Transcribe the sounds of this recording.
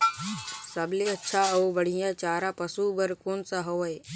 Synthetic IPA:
sɐbleɐtːʃʰaɐubɐɽ̤ijãt͡ʃaːɾapɐsubɐɾkoːnsaɦoʋe

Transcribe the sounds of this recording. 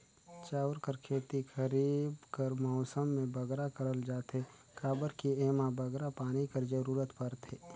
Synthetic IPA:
t͡ʃaːʋɾkəɾkʰeːt̪ixʰəɾiːbkəɾmɔːsəmːẽbəɡɾakəɾəld͡ʒaːt̪ɦe | kaːbəɾkieːmabʱəɡɾapaːnikəɾd͡ʒəɾuːɾət̪pəɾt̪ʰeː

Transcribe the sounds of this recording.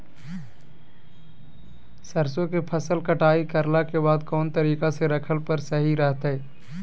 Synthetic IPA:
səɾsõkepʰəsəlkəʈaːikəɾlakebaːd̪kɔːnt̪əɾiːkaseɾɐkʰəlpəɾsəɦiɾəɦt̪ɦɛː

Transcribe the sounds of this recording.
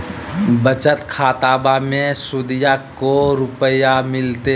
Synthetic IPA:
bət͡ʃət̪kʰaːt̪aːbamẽsʊd̪ɪjakoɾʊpəjamɪlt̪e

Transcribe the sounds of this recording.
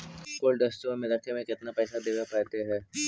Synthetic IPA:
koːlɖ̪əst̪omeləkʰemẽkɪt̪napɛːsad̪eːʋepɛːt̪eɦɛː

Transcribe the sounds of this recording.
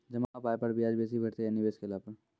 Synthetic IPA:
d͡ʒɐmaapaːjepɐɾbʱiaːd͡ʒbeːs̬ibʱɐʈt̪eɦɛnɪbeːskeɪlaːpəɾ

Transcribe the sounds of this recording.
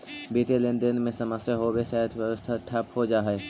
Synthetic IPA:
biːt̪elend̪ɪnmẽsəməseɦobesɛːt̪ʋəʋəst̪ʰaʈʰɐphod͡ʒaːɦɛ

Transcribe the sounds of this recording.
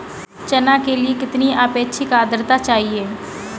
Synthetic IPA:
t͡ʃɐnakeliekɪt̪niaːpeːtːʃʰikaːd̪ɾt̪at͡ʃaːɦieː

